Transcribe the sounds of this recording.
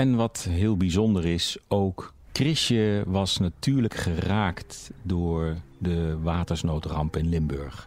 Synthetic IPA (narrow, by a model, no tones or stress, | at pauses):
ɛnʋɑtɦɪːlˠbizɔndəɹɪsowkː | rɪʃəʋɑsnatyːɹləkχəraːktdʊːɹdəʋaːtəɹsnowtrɑmpɪnlɪmbɵ̰ɹχ